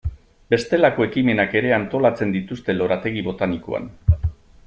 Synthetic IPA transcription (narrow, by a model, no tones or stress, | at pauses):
be̞st̪e̞lako̞e̞kime̞nake̞ɾe̞ant̪o̞lat͡se̞nd̪it̪ust̪e̞lo̞ɾat̪e̞ɣ̞iβo̞t̪aniko̞̰a̰n